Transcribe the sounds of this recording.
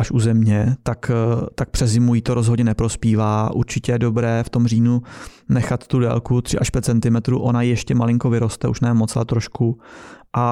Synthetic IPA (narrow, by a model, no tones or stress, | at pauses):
ʔaʃʔuzɛmɲɛt̪akt̪ak̚pr̥ɛzɪmujiːt̪o̞ɾozɦodɲɛnɛpɾo̞spiːvaːʔuɾt͡ʃɪcɛjɛdo̞bɾɛːft̪o̞mriːnu | nɛxat̪ːudɛ̰ːlkut̪r̥ɪʔaʃpʲjɛt̪̚t͡sɛnt̪ɪmɛt̪ɾṵːʔo̞najijɛʃcɛmalɪŋko̞vɪɾo̞st̪ɛʔuʃnɛːmo̞t͡salɛt̪ɾo̞ʃkuʔa